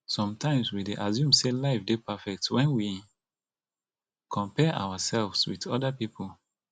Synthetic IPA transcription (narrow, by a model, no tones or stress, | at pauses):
sɔ̃mtãɪ̃mswideʔazjũmselaɪfdepafɛk̚twɛ̃nwi | kʰɔ̃mpɛʔa̰wasɛlvswḭdɔdapipʰol